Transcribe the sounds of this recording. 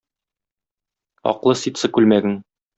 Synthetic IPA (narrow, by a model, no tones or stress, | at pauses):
ɒ̰qlˠɤsit̪sɤkʉlmæɡɘŋ